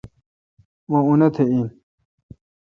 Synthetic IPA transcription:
wõunɐt̪ʰein

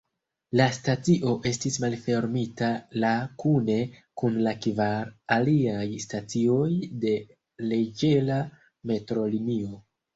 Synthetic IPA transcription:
lastat͡siʔo̞ʔe̞stismalfe̞ɾmitalakune̞kunlakvaɾaliajstat͡sio̞jde̞ | le̞d͡ʒe̞la | me̞tɾo̞limio̞

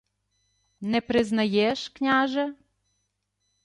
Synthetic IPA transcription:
nepɾɪznɐjeʃknʲaʒe

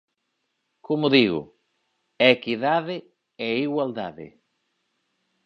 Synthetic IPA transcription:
komʊðiɣʊ̰ | ekiðaðɪ | eiɣwald̪aðɪ̰

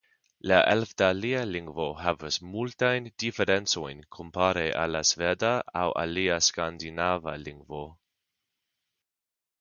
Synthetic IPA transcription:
laʔelfdalialiŋɡvoɦavasmultajndifeɾent͡sojnkʰompaɾeʔa̰lasvedaawa̰liaskandinavaliŋɡvo

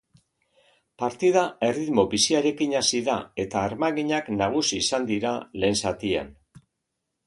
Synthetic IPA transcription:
paɾt̪iðae̞riðmo̞βisiaɾe̞kiɲasiðae̞t̪aːɾmaɣiɲaknaɣ̞usiːsand̪iɾale̞ːnsat̪ia̰n

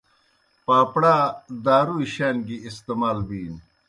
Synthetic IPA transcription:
paːpɽaːd̪aːɾuiɕaːnɡiist̪emaːlbiːn

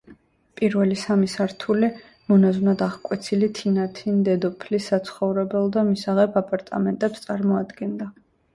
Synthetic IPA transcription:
pʼiɾvɛlisamisaɾt̪ʰuli | mɔnazunad̪aʁkʼwɛt̪sʰilit̪ʰinat̪ʰind̪ɛd̪ɔpʰlisːat̪sʰχɔvɾɛbɛlˠd̪amisaʁɛpʰapʼaɾt̪ʼa̰mɛnt̪ʼɛpst̪sʼaɾmɔad̪ɡɛnd̪a

